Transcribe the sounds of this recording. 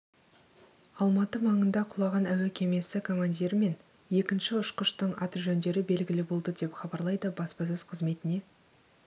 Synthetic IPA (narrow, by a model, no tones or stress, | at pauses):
ɑlˠmɑt̪əmɑɴənd̪ɑqʰʊlˠɑʁɑnæwekʲʰe̞me̞sɪkʰo̞mand̪ʲiɾme̞n | je̞kʲɪnʃɪʊʃqəʃt̪əɴɑt̪əʒɵnd̪e̞ɾɪbe̞lɡʲɪlɪbo̞lˠd̪əd̪e̞pχɑbɑɾlˠɑjd̪əbɑspɑs̬ɵzqʰəzme̞t̪ɪne̞